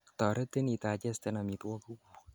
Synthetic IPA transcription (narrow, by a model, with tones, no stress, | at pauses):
tɔ˨ɾe˦t̪e˦ni˨ta˨t͡ʃɛ˦st̪ɛ˦na˨mi˨t̪wɔ˦ku˦ku˨